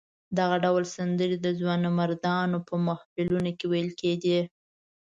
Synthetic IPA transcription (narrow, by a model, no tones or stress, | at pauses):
d̪aɣaɖawlsand̪əɾid̪əzwɑnamaɾd̪ɑnopəmahfɪlunokewajəlkeɡ̪i